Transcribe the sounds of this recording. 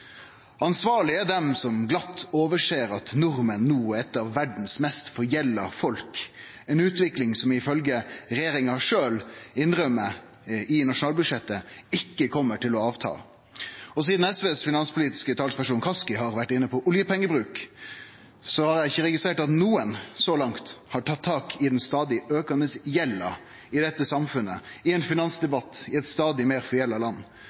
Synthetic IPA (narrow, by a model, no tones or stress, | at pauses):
ɑnsʋɑːɭɪæɖ̪ɛmsɔmɡlɑt̪ʰːoːʋəʂeːɾɑt̪nʊɾmənːuːɛt̪ːɑʋːæɖn̩smɛst̪fɔɾjɛlːə̰fɔlk | ɛːnʉːt̪ʰʋɪklɪŋsɔmɪfœlɡəɾɛjeːɾɪŋɑʂøːlɪnɾœmːə | ʔɪnɑʂʊnɑːlbʉd̪ʃɛt̪ːəɪkːəkʰɔmːəʈɪlɔɑːʋt̪ʰɑ̰ː | ɔs̬iːd̪n̩ɛsʋeːsfɪnɑnspʰʊliːt̪ɪ̥skət̪ʰɑːlspæʂuːnkʰɑskɪɦɑɾʋæʈːɪnːəpʰɔʔʊljəpʰɛŋːəbɾʉːk | sɔhɑɾjæɪçːəɾɛɡɪst̪ɾeːʈɑt̪nuːənsɔlɑŋt̪hɑʈʰɑt̪ʰːɑːkʰɪd̪ɛnst̪ɑːd̪ɪøːkɑnəsjɛlːɑ̰ | ɪd̪ɛt̪ːəsɑmfʉnːə̰ɪɛnfɪnɑnsd̪ɛbɑt̪ːɪɛt̪st̪ɑːd̪ɪmeːɾfɔɛlːɑlɑnː